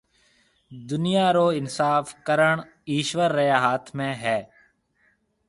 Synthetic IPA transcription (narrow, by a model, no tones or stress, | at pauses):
d̪ʊnɪjaːɾoːɪnsaːfkəɾəɳ | iːʃʋəɾːəjaːɦaːt̪ʰmẽːɦɛː